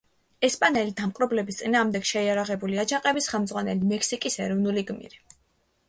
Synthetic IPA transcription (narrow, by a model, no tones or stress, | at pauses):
ɛspʼanɛlid̪amqʼɾɔblɛbist̪sʼinaːʁmd̪ɛɡ̥ʃɛiaɾaʁɛbuliad͡ʒaqʼɛbisχɛlˠmd̪zʁwanɛlimɛkʰsikʼisɛɾɔvnuliɡmḭɾi